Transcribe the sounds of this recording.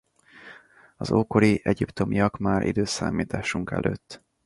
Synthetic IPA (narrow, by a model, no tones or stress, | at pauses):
ɒzoːkoɾiʔɛɟipt̪o̞miɒkmaːɾʔḭd̪øːsa̰ːmiːt̪aːʃuŋkɛ̰lʔøːt̪ː